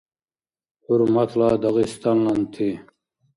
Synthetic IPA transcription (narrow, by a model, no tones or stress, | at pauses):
huɾmɑt̪lɑːd̪ɑɣist̪ɑnlɑnt̪ʰi